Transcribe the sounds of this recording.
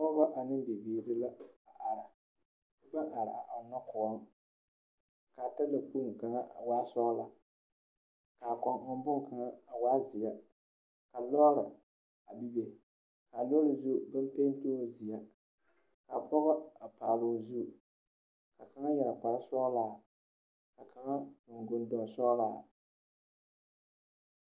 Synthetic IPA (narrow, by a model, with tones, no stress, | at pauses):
pɔ˦ɣɔ˦ʔa˨nɨ˦m˦bi˨biː˨ɾɪ˦la˦a˨ʔa˨ɾa˨˦ | ba˦ŋʔa˨ɾa̰˨a˨ʔa˨na˦kʊ˨ɔ˦ŋ | ka˨ta˦la˨pu˦ŋka˨ŋa˦˨waː˦sɔ˦la˨ | ka˨kɔ˨ŋ˦bʊ˦ŋka˨ŋa˦a˨waː˦zɪ˨ja˦ | ka˨lɔ˦ɾɪ˨ | a˨bi˦be˨ | ka˨lɔ˦lɨ˨zu˦bɨ˦m˦peː˦n˦toː˦˨zɪ˨ja˦ | ka˨pɔ˦ɣɔ˦a˨paː˨lo˨zu˦˨ | ka˨ka˨˦ŋa˦jɛ˨la˨pa˨ɾa˦sɔ˦laː˦ | ka˨kʰa˨ŋa˦kʊ˨ŋ˨ɡʊ˨n˦dɔ˨sɔ˦laː˦